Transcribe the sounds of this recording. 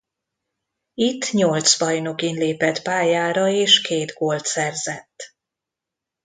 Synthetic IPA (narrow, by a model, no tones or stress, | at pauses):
it̪ːɲo̞lt̪sbɒjno̞kinleːpɛt̪paːjaːɾɒeːʃkeːd̪ɡoːlt̪sɛrzɛt̪ː